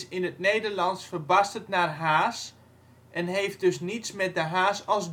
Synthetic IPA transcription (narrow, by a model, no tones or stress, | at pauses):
sɪnətnejdərlɑnsfərbastətnarɦaːs | ʔɛnɦejft̚dɵsnitsmɛt̚dəɦaːsɑlˠsd